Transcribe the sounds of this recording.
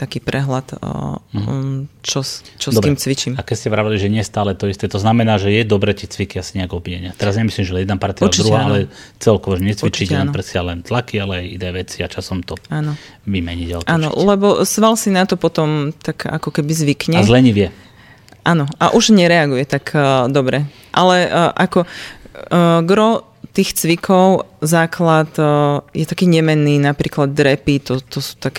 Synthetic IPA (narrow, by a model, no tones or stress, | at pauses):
t̪akiːpɾʔɛɦlat̪ | t͡ʃɔt͡ʃɔsdɔb̪ɾiɛimt͡sʋit͡ʃimakɛscɛʋɾaʋaliʒɛɲɪɛst̪aːlɛt̪ɔist̪ɛt̪ɔznamɛnaːʒɛjɛd̪ɔbɾɛcit͡sʋikiasiɲɛaɡɔbiɛɲɪat̪ɛɾazɲɛmislimʒɛlɛjɛd̪napaɾt̪ialɛiɾuɦaːalɛt͡sɛlkɔʋɔʒɛɲɛt͡sʋit͡ʃiɟɛnnpɾɛsɪalɛnt̪lakialɛajid̪ɛːʋɛt͡siat͡ʃasɔmt̪ɔaːnɔ | ʋimɛɲiɟa̰lʔaːnɔ̰lɛbɔsʋalsinat̪ɔpɔt̪ɔmt̪aka̰kɔkɛbizʋikɲɛzlɛɲiʋɪɛ | ʔanɔʔaʔuʒɲɛɾɛaɡujɛt̪akːd̪ɔbɾɛ | ʔalɛʔakɔ | ɡɾɔ | t̪iːxt͡sʋikɔʊzaːklat̪jɛt̪akiːɲɛmɛnːiːnapɾiːklad̪̚ːɾɛpit̪ɔt̪ɔsu̥ːt̪ak